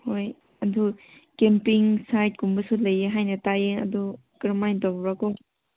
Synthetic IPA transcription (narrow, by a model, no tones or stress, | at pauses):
hoj | ɐndʰu | kempiŋsajt̚kumbɐsulɐjːeɦajnɐtajeɐ̰du | kɾmajntabɾako